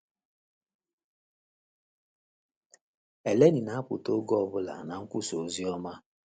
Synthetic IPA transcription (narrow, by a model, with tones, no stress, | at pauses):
e˨le˦ni˨na˦a˦pʊ̰˨to˦ɡɔ˦ɔ˨bʊ˦la̰˨na˨ŋ̩˦kʷu˦so˨zi˦ɔ˦ma˦